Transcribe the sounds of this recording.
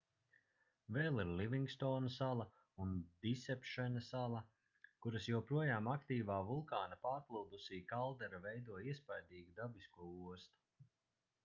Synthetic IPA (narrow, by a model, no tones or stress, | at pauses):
vɛːlˠiɾlʲiviŋɡst̪ɔːnɐsalˠɐ | und̪isɛpʃɛnɐsalˠɐ | kuɾasjuɔpɾuɔjaːmakt̪iːvaːvulˠkaːnapaːɾt̪lˠuːd̪usiːkalˠd̪ɛɾavɛjd̪uɔiɛspajd̪iːɡud̪abiskuɔuɔst̪u̥